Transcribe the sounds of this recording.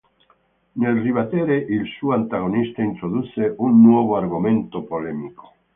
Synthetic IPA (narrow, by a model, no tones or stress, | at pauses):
nelriβat̪eɾeʔilsuant̪aɣ̞onist̪aint̪ɾoðuθeʔunːwoβ̞oaɾɣumẽnt̪opolemiko̥